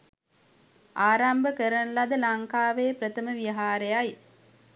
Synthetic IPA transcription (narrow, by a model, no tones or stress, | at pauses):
aːɾambəkəɾənlad̪əlaŋkaːʋeːpɾət̪əməʋiəɦaːɾejaj